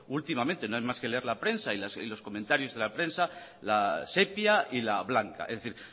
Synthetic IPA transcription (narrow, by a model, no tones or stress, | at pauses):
ult̪imamẽnt̪e̞noajmaske̞le̞eɾlapɾe̞nsailasḭlo̞sko̞mẽnt̪aɾjo̞zðe̞lapɾe̞nsa | lase̞pjailaβlaŋka̰ḛzðeθiɾ